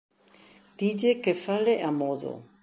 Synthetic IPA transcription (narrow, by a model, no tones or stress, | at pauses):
d̪̥id͡ʒekefaleʔamoðo̰